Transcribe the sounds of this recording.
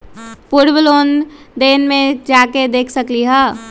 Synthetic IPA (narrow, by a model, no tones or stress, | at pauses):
puɾbəlond̪eːnmẽd͡ʒaːked̪eːkʰsəkliɦə